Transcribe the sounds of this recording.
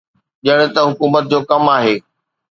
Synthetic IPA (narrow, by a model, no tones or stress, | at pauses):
ʄɐɽ̃t̪ɐɦʊkuːmət̪̚d͡ʑoːkɐmaːɦeː